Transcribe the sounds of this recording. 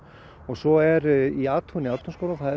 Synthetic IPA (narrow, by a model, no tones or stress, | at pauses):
ɔɣsɔɛɾiaːt̪ʰuniaːt̪ʰunskowlaθað